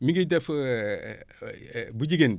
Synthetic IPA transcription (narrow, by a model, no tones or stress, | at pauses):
miɡidef | bud͡ʒiɡen